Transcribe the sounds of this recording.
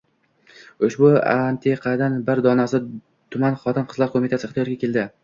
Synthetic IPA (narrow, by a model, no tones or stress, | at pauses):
ʊʃbʊa̰nt̪ʰeqʰɑd̪anbɪɾd̪ɒnasɪ | t̪ʰʊmanχɒt̪ʰɪnqʰɨzlˠaɾkʰomit̪ʰasɪχt̪ɪjɒɾɡʲakʲe̞ld̪ɪ